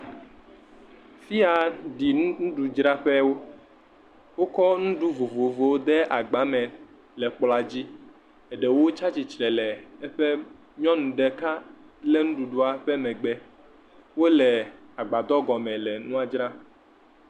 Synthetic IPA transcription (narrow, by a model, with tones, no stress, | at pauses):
fi˦a˨ɖi˨ñ˦nũ˦ɖu˨d͡ʒɾa˦ɸɛ˦wo˦ | wo˦kɔ˦nũ˦ɖu˦vo˨vo˨vo˨wo˦d̪ɛ˦a˨ɡ͡ba˨˦mɛ̃˨ | lɛ˨k͡pla˨d͡ʑi˦ | ɛ˨ɖɛ˨wo˦t͡ʃa˦t͡ɕi˨t͡ʃɾɛ˨lɛ˨ɛ˦ɸɛ˦ | ɲɔ̃˦nũ˨ɖɛ˦ka˦ | lɛ˦nũ˦ɖu˨ɖu˦a˨ɸɛ˦mɛ̃˨ɡ͡bɛ˦ | wo˦lɛ˨a˨ɡ͡ba˨d̪ɔ˦ɡɔ˨mɛ̃˨lɛ˨nũ˦a˨d͡ʒɾa˦